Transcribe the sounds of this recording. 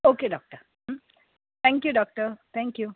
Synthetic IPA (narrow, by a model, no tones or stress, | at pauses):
oːkeɖɔːk̚ʈəɾ | t̪ʰɛ̃ŋkjuɖɔːk̚ʈəɾt̪ʰɛ̃ŋkju